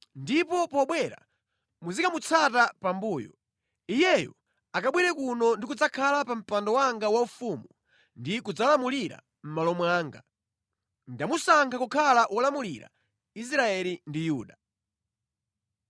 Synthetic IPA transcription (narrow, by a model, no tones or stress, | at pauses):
ndipɔpɔɓwɛɾa̰ | muzikamut͡sʰatapambuːjɔ̰ | ijɛjɔ̰ | akaɓwiɾɛkunɔndikud͡zakʰalapam̩pandɔwaŋɡawaufumu | ndikud͡zalamuliɾa̰ | m̩malɔmwaːŋɡa | ndamusaŋkʰakukʰalaʔwʔɔlamuliɾa̰ | is̬ɾaɛlindijuːɗa